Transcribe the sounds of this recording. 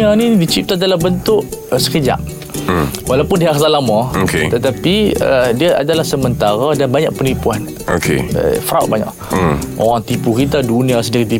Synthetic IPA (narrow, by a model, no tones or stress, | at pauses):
anidit͡ʃip̚t̪adalahbənt̪ʊʔsə̥kəd͡ʒa̰m | walapʊndiaasalamãokḛt̪ət̪apiədiaʔa̰dalahsəmənt̪aɾadanbaɲa̰ʔpənipuan | o̰kʰḛə̰fɾaut̪̚baɲa̰ʔ | ʔo̰ɾaŋt̪ipukit̪adunĩasədiɾit̪i